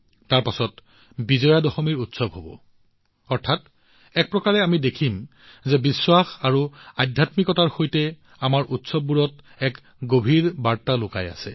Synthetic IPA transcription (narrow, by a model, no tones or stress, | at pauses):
taɹpasɔt | bizɔjadɔxɔmiɹutsɔbɦobɔ̰ | ɔɹtʰat | ɛk̚pɹɔkaɹɛamidekʰim | zɛbiswaxaɹuajdʱjatmikɔtaɹxojtɛ | amaɹʔutsɔb̚ːuɹɔt | ɛk | ɡobʱiɹbaɹtalʊkaja̰sɛ̰